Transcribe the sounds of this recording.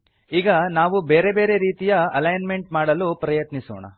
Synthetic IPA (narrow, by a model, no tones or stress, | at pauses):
iːɡɐnaːʋubeːɾe̞be̞ːɾe̞ɾiːt̪ijɐɐlɐjnme̞ɳʈ̚maːɽɐlupɾɐjɐt̪niso̰ːɳɐ̰